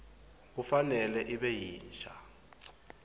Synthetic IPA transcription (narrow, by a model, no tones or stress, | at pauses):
k̬ufanɛlɛʔiɓɛjiːnt͡ʃʰʼa